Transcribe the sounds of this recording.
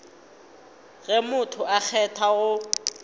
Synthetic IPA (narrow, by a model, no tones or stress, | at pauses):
ɣɛmʊtʰʊak͡xʰɛtʰaɣʊ